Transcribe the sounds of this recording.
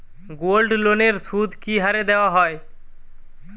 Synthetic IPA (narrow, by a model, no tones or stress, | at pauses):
ɡolɖloneɾsud̪ʱkiɦaɾed̪eoaɦɔe